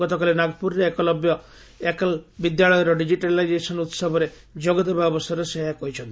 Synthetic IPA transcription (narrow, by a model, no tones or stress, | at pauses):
ɔt̪ɔkalinaɡpuɾɾeːkɔlɔbjɔ | ekalbid̪jaɭɔjɔɾɔɖid͡ʒiʈalajd͡ʒesɔnut̪sɔbʱɔɾe | d͡ʒoɡɔt̪̬ɔbjabɔsaɾɔseɦakɔɦit͡ʃʰɔnt̪i